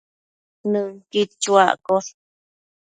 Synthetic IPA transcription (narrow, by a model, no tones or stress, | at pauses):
nɨ̃ŋkit͡ʃua̰ko